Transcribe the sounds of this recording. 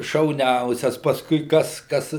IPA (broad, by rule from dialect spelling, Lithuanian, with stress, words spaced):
ʃɐʊˈnʲɛʊsʲɛs pɐsˈkʊɪ ˈkɐs ˈkɐs